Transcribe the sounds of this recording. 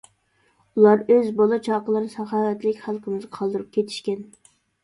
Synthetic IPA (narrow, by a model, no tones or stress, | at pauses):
ulˠɑɾøzbɑlˠɨt͡ʃʰɑːqəlˠɨɾsɑχɑːwɛt̪lɪkʲχælˠqʰəmɨzqʰɑlˠd̪ɨɾup̚kʲʰet̪ʰi̥ʃkʲɛn